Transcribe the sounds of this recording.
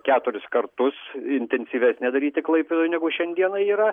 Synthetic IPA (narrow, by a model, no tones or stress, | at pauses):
kʲæːt̪ʊɾʲɪskɐrt̪ʊsɪnʲt̪ʲɛnʲsʲiːʋʲæsʲnʲɛd̪ɐɾʲiːt̪ʲɪklˠɐɪpʲɪd̪oːjnʲɛɡʊʃʲɛnʲd̪ʲiɛnɐiːɾɐ